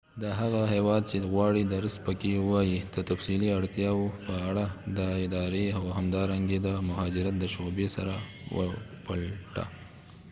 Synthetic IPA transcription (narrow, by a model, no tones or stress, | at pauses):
d̪əɦaɣaɦewɑd̪̚t͡ʃeɣwɑɽid̪əɾəs̚pəkewɑjid̪̥ət̪afsiliaɽt̪jɑwopəaɽad̪əɪd̪ɑɾeawɦamd̪ɑɾaŋɡed̪əmʊɦɑd͡ʒɪɾat̪̚d̪əʃobesaɾa | wə̰pəlʈa̰